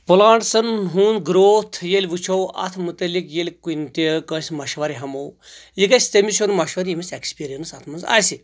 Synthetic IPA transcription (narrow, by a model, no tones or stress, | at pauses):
pulaːɳʈsɐnɦuːnɡɾoːt̪ʰjelʲʋut͡ʃʰowɐ̰t̪ʰmut̪ɐlʲikjelʲkunʲt̪ʲekəsʲmɐʃʋaɾiɦɐmowjikɐsʲt̪emisonmɐʃʋɐɾiimɐsʲekspiɾijɐnɨsat̪ʰmɐnza̰ːjsi